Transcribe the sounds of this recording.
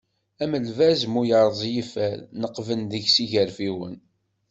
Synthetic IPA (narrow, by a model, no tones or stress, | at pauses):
æməlvæzmujəɾˤzˤjifælnəqvənðəʝsiʝəɾfiwə̰n